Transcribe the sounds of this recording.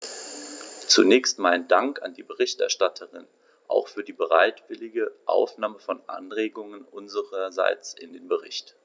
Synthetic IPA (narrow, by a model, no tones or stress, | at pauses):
t͡sunɛːçstmaɪnədaŋka̰ndiːbəʁɪçtʔɛɐʃtatʰəʁɪn | ʔa̰ʊxfyːɐdiːbəʁaɪtv̥ɪlɪɡəʔa̰ʊfnaːməfɔnʔa̰nʁeːɡʊŋənʔʊnzəʁɐza̰ɪt͡sʔɪ̰ndeːnbəʁɪ̰çt